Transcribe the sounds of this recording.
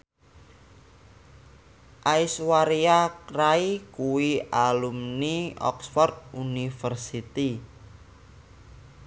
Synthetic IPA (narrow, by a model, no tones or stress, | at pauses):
ʔaiswaɾiakraikuwialumniɔ̰ksfɔrt̪̚unifərsit̪i